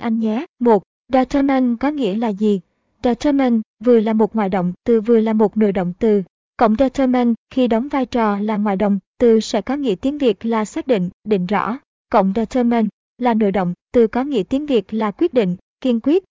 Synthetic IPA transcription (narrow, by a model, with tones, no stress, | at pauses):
ʔa˧jŋɲɛ˨˦mo˨˩t̚ | ɗaː˧t͡ɕəː˧mɛ˧nkɔ˨˦ŋḭ˧˥əlaː˨˩zi˨˩ | ɗaː˧˩t͡ɕə˧mɛ˧nvɨ˨˩əlaː˨˩mo˨˩t̚ŋwaː˧˨jɗə̰˧˨wŋ͡mt̪ɨ˨˩vɨ˨˩əlaː˨˩mo˨˩t̚no̰˧˨jɗə̰˧˨wŋ͡mt̪ɨ˨˩ | kə̰˧˨wŋ͡mzaː˧t͡ɕə˧mɛ˧nxi˧ɗə˨˦wŋ͡mvaː˧jt͡ɕɔ˨˩laː˨˩ŋwa̰ː˧˨jɗə̰˧˨wŋ͡mt̪ɨ˨˩sɛ̰˧˥kɔ˨˦ŋḭ˧˥ət̪i˨˦ənvi˨˩ək̚laː˨˩saː˦˥k̚ɗḭ̈˧˨ŋ̟ɗḭ˧˨ŋ̟zɔ̰˧˥ | kə̰˧˨wŋ͡mzaː˧t͡ɕə˧mɛ˧n | laː˨˩no̰˧˨jɗə̰˧˨wŋ͡mt̪ɨ˨˩kɔ˨˦ŋḭ˧˥ət̪i˨˦ənvi˨˩ək̚laː˨˩kwi˦˥t̚ɗḭ̈˧˨ŋ̟ | ki˧ənkwi˦˥ət̚